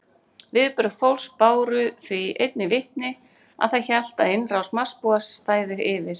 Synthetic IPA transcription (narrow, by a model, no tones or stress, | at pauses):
vɪðpʏɾafowlspaːwɾʏθviḛjt̪̚nɪvɪht̪nɪ | a̰ðθajçɛl̥t̪aðɪnːrawsmḁspuast̪aːjðɪɾɪvɪɾ̥